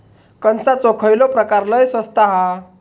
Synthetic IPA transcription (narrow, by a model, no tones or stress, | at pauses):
kənsat͡sokʰəjlopɾəkaɾləjsəst̪aɦa